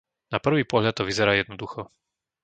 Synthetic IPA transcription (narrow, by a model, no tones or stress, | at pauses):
napr̩ʋiːpɔɦʎat̪ːɔʋizɛɾaːjɛd̪nɔd̪uxɔ